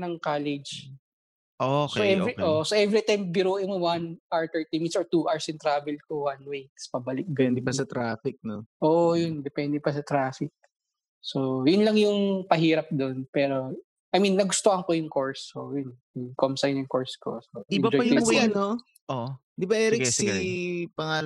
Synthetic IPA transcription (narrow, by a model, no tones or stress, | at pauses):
nɐŋkaːlɛd͡ʒ | ʔosoʔɛɾioʔsoʔɛvɾit̪ajmbɪɾoːʔɪmowɐnʔaɹt̪ɛɹt̪imit̪sɔɹt̪uʔaɹsɪnt̪ɾaːbɛlkowɐnwejt̪spɐbɐlɪk̪̚ɛnd̪ɪpɐsɐt̪ɾaːfɪk̚noʔoːʔjʊnd̪ɛpɛnd̪ɛpɐsɐt̪ɾaːfɪk̚ | so̞jʊnlɐŋjʊŋpɐɦiːɾɐp̚d̪onpɛːɾo̞ | ʔɐjminːɐɡʊst̪oʔɐŋkojʊŋkoɹsːojʊnjʊŋkomsɐjnʊŋkoɹsko̰soɪbɐd͡ʒɔɐjʊj̪o | ʔo | d̪ɪbɐɛɾɛsipɐŋaː